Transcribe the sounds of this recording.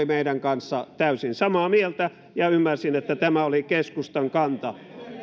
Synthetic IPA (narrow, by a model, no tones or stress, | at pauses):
imeiɾæŋkɑnsːɑt̪æysinsɑmɑːmielt̪æ | jɑymːærsinet̪ːæt̪æmæolikeskust̪ɑŋkɑnt̪ɑ